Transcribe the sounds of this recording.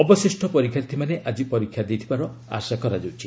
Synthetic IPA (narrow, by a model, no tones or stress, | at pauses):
ɔbɔsisʈʰɔpɔɾikʰjaɾt̪ʰimaneʔad͡ʒipɔɾikʰːjad̪ejt̪ʰibaɾɔa̰sakɔɾad͡ʒawt͡ʃʰi